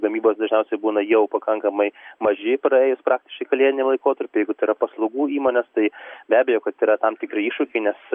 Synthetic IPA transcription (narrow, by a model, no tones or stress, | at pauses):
ɡɐmʲiːboːsd̪ɐʒʲnʲɛʊsʲɛɪbuːnɐjɛʊpɐkɐŋkɐmɐɪmɐʒʲɪpɾɐeːjʊspɾʔɑːk̚t̪ʲɪ̥ʃkɐɪkɐlʲiɛt̪ʲɪnʲɪlˠɐɪkoːt̪ɐɾʲpʲɪjɛɪɡʊt̪ɐɪiɾɐpɐslˠɐʊɡuːiːmoːnʲest̪ɐɪbʲæːbʲejoːkɐt̪iːɾɐt̪ɐmt̪ʲɪkɾʲɪiːʃʊkʲɛɪnʲɛs